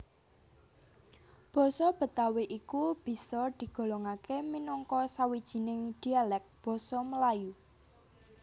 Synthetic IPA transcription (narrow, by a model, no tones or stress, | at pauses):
b̥ɔ̤sɔb̥ə̤t̪aweʔikub̥i̤sɔd̪̥i̤ɡ̥ɔ̤lɔŋakeminɔŋkɔsawid̥ʒ̥i̤nɪŋd̪̥i̤alɛk̚b̥ɔ̤sɔməlaju